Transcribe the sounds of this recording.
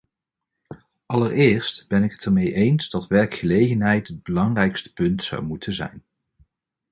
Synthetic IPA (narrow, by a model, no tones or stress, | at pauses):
ɑlərɪːɹstb̥ɛnɪkətəɹmejʔejnzdɑtʋɛɹkχəlejχənɦɛjtɦəd̚bəlɑŋrɛjkstə̥pɵntsɑ̰wmutʰəzɛ̰jn